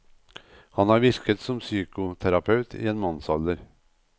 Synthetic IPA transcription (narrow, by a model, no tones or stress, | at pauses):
hɑnæːɾʋɪɾkət̪sɔmsyːkʊt̪ʰæɾɑpʰɑʉt̪ʰḭːeːnmɑnsɑləɾ